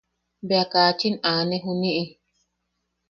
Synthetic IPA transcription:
beakat͡ʃinaneɦuniʔi

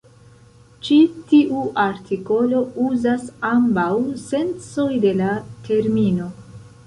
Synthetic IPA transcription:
t͡ʃitiʔuʔaɾtʰiko̞lo̞uzasambawse̞nt͡so̞jde̞latʰe̞ɾmino̞

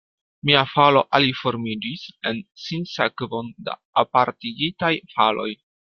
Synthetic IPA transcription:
miafalo̞ʔalifo̞ɾmid͡ʒise̞nsinsekvo̞nda̰ːpaɾtiɡitajfalo̞̰j

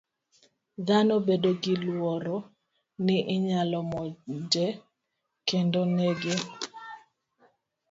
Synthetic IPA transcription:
ðanobedoɡɪlwɔɾo | nɪʔɪɲalɔmɔd͡ʒɛ | kendoneɡɪ

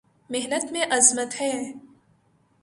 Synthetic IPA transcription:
meɦnət̪mẽʔɐzmət̪hɛː

